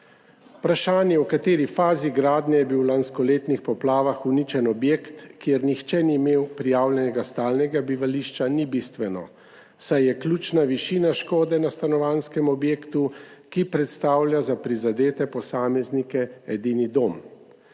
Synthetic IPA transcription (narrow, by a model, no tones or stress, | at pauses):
pɾaʃaːnjɛwkat̪eːɾifaːziɡɾaːd̪nɛjɛbiwlanskɔleːt̪nixpɔplaːʋaxunit͡ʃɛnɔbjeːkt̪kjeɾnixt͡ʃɛniːmeːwpɾijaːwlʲjɛnɛɡast̪aːlnɛɡabiʋaliʃt͡ʃanibist̪ʋɛnɔ̰ | sajːɛklʲuːt͡ʃnaʋiʃiːnaʃkoːd̪ɛnast̪anɔʋaːnskɛmɔbjeːkt̪ukipɾɛt̪st̪aːwlʲjazapɾizad̪eːt̪ɛpɔsaːmɛznikɛɛd̪inid̪oːm